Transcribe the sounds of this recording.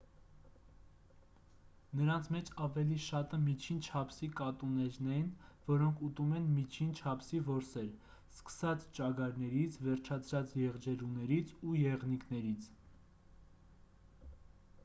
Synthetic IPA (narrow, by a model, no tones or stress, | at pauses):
nəɾɑnt͡sʰmɛt͡ʃʰɑvɛliʃɑt̪əmit͡ʃʰint͡ʃʰɑpʰsikɑt̪unɛɾnɛjnvɔɾɔŋkʰut̪umɛnmit͡ʃʰint͡ʃʰɑpʰsivɔɾsɛɾ | skə̥sɑt͡st͡ʃɑɡɑɾnɛɾit͡sʰvɛɾt͡ʃʰɑt͡sʰɾɑt͡sjɛʁd͡ʒɛɾunɛɾit͡sʰujɛʁnikʰnɛɾit͡sʰ